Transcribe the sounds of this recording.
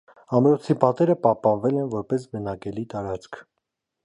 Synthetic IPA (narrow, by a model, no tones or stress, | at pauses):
ɑmɾɔt͡sʰipɑt̪ɛɾəpɑhpɑnvɛlɛnvɔɾpɛs̬bənɑkɛlit̪ɑɾɑt͡skʰ